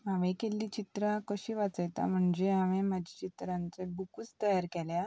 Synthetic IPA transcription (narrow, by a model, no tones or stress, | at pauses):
aʋẽkelːiːt͡ɕit̪ɾakəɕiːʋat͡səjt̪a̰m̤əɳd͡zeaʋẽmad͡ʑʱit͡ɕit̪ɾãnt͡sebukut͡st̪əjaɾkɛlja